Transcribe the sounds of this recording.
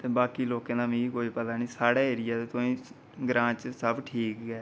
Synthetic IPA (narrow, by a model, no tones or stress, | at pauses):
t̪eːbaːkiːloːkẽːnãːmĩːiːkoːiːpət̪aːniːsaːɽɛːeːɾɪjaːt̪eːt̪oːĩː | ɡɾãːt͡ʃsəbʈʰiːkːɛː